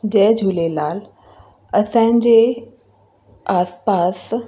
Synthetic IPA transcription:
d͡ʑɛːd͡ʑʱuːlelaːl | ɐsãːɪ̃ɲd͡ʑe | aːspaːs

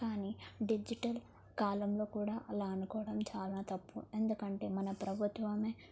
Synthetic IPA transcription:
kaːniɖid͡ʒiʈɐl | kaːlɐmlo̞ːkuːɽaːʔɐlaːɐnukɔːʋɐɽɐmt͡ʃaːlaːt̪ɐpːṵe̞nd̪ukɐɳʈe̞ːmɐnɐpɾɐbʱut̪ʋɐmeː

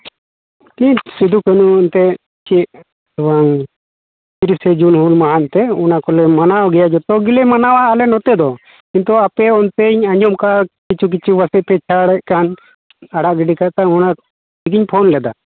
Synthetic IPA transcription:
k̪iɲsid̪ʱukɛnunt̪ɛ | t͡ʃi | waŋ | t̪iɾisɛd͡ʒunhulmaɦant̪ɛɔnakɔlɛmanaɔɡɛjad͡ʒɔt̪ɔɡilɛmanawaʔalɛnɔt̪ɛd̪ɔ | kint̪ɔapɛɔnt̪ɛɲaɲd͡ʒɔmkakit͡ʃʰuk̬it͡ʃʰiwasɛʔ̚pɛt͡ʃʰaɽɛʔkan | aɽaʔɡiɖikaʔt̪auna | iɡiɲpʰɔnlɛd̪a̰

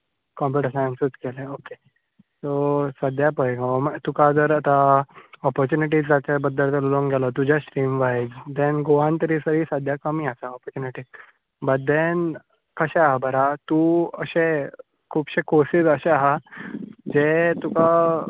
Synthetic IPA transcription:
kɔ̃mbəʈəsãnsut̪keleoke | t̪osəd̪ʱjapəjɡamt̪ukad͡zəɾət̪aɔpəɾt͡ɕuniʈ̬iːd͡zd͡zat͡ɕabəd̪ːəlt̪əlloŋɡʱɛlat̪ud͡ʑjasʈɾiːmʋaid͡zd̪ẽnɡoʋãnt̪əɾisəɾiːsəd̪ʱjakəmiasaɔpəɾt͡ɕuniʈiː | bəd̪en | kəɕeɦabəɾat̪uə̰ɕe | kʰuːbɕekoɾsid͡zəɕeaɦa | d͡ʑet̪uka

